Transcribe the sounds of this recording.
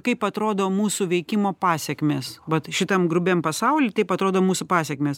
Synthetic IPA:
kɐɪpɐt̪ɾoːd̪oːmuːsʊʋʲɛɪkʲɪmoːpɑːsʲɛkmʲeːsʋɐt̪ʃʲɪt̪ɐmɡɾʊbʲɛmpɐsɐʊlʲɪt̪ɐɪpɐt̪ɾoːd̪oːmuːsʊpɑːsʲɛkmʲeːs

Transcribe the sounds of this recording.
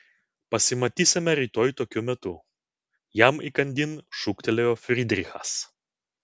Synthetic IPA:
pɐsʲɪmɐt̪ʲiːsʲɪmʲɛɾʲiːt̪oːjt̪oːkʲʊmʲɛt̪ʊ | jæmikɐnʲd̪ʲɪnʃʊkt̪ʲɛlʲɛjoːfʲɾʲɪd̪ʲɾʲɪxɐ̰s

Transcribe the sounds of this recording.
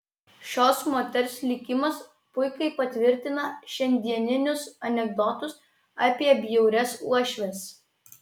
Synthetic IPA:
ʃʲoːsmoːt̪ʲɛɾʲsʲlʲɪkʲɪmɐs | pʊɪkɐɪpɐt̪ʲʋʲɪɾʲt̪ʲɪnɐʃʲɛnʲd̪ʲiɛnʲɪnʲʊsɐnʲɛɡ̚d̪ɔt̪ʊs | ɑːpʲiɛbʲjɛʊɾʲɛsṵɔʃʲʋʲɛs

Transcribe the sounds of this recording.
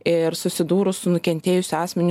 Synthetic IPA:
ɪɾsʊsʲɪd̪uːɾʊssʊnʊkʲɛnʲt̪ʲeːjʊsʲʊɑːsʲmʲɛnʲ

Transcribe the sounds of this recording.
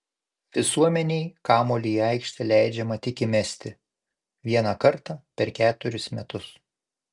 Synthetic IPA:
ʋʲɪsuɔmʲɛnʲɛjkɑːmoːlʲiɑɪkʃʲt̪ʲɛlʲæˑɪd͡ʒʲɛmɐt̪ʲɪkʲɪmʲɛsʲt̪ʲɪ | ʋʲiɛnɐkɐɾt̪ɑpʲɛɾkʲæːt̪ʊɾʲʊsmʲɛt̪ʊs

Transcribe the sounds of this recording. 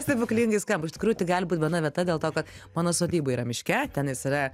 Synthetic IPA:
st̪ɐɪbʊklʲiŋɡɐɪskɐmpɪʃʲtʲɪ̥kɾuːjʊt̪ʲɪɡɑːlʲɪbuːt̪ʲbʲɛnɐʋʲiɛt̪ɐdʲeːlˠt̪oːkɐt̪ | mɑːnoːst̪oːd̪ʲiːbɐiːɾɐmʲɪʃʲkʲɛt̪ʲɛnjɪsɪɾɐ

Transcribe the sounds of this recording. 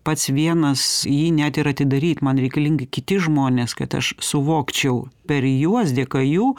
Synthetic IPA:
pɐt̪sʋʲiɛnɐsjiːnʲæt̪ɪɾɐt̪ʲɪd̪ɐɾʲiːt̪mɐnɾʲɛɪkɐlʲiŋɡɐɪkʲɪt̪ʲɪʒmoːnʲeːskɐt̪ɐ̰ʃsʊʋoːkt͡ʃʲɛʊpʲɛɾjuɔsd̪ʲeːkɐjuː

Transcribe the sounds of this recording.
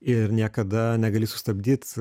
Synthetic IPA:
ɪɾnʲiɛkɐd̪ɐnʲɛɡɐlʲiːsʊ̥st̪ɐbʲd̪ʲiːt̪

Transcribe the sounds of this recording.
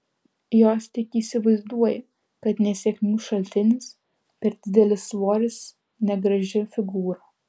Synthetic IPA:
joːst̪ʲɪkiːsʲɪʋɐɪzd̪uɔjɛ | kɐt̪nʲɛsʲɛknʲuːʃɐlʲt̪ʲɪnʲɪs | pʲɛɾd̪ʲɪd̪ʲɛlʲɪsʋoːɾʲɪs | nʲɛɡɾɐʒʲɪfʲɪɡuːɾoː

